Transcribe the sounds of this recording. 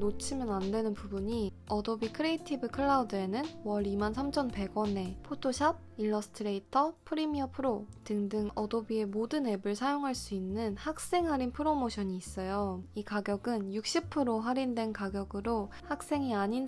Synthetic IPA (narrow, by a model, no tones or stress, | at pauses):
not͡ɕʰimjʌnandwe̞nɯnpubuɲi | ʌdobikʰɯɾe̞itʰibɯkʰɯɭːaudɯe̞nɯnwʌɾimansʰamt͡ɕʰʌnpe̞ɡwʌne̞pʰotʰoɕʰab̚iɭːʌsʰɯ̥tʰɯɾe̞itʰʌpʰɯɾimiʌpʰɯɾotɯŋdɯŋʌdobie̞modɯne̞bɯɭsʰajoŋɦaɭs͈uinːɯnhak̚s͈e̞ŋɦaɾinpʰɯɾomoɕʰʌɲiːs͈ʌjoikaɡjʌɡɯnjuk̚ɕ͈ipʰɯɾoɦaɾindwe̞nkaɡjʌɡɯɾohak̚s͈e̞ŋiaɲin